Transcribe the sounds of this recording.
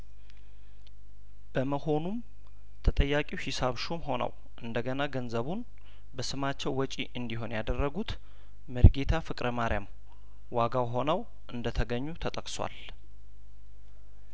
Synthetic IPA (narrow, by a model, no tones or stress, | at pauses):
b̥əməho̞num | t̪ʰət̪ʼəjːakʼiwhɪsaβʃomho̞nə̰w | ʔɨnd̪əɡənaɡənzəβun | bəsɨmat͡ʃːɛwːɔt͡ʃʼḭʔɨnd̪iɦo̞njad̪ərːəɡut̪ | mɨɾɡe̞t̪ʰafɨkʼɾəmaɾijam | waɡawɦo̞nəw | ʔɨnd̪ət̪ʰəɡəɲːut̪ʰət̪ʼəkʼswa̰l